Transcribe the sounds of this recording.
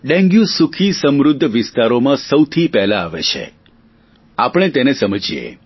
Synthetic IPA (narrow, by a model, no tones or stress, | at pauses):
ɖɛ̃ŋɡjũsukʰisəmɾʊd̪ʱːʋɪst̪aɾomãsəwt̪ʰipɛɦlaːʋḛt͡ʃʰḛ | apɽ̃et̪enesəməd͡ʒijḛ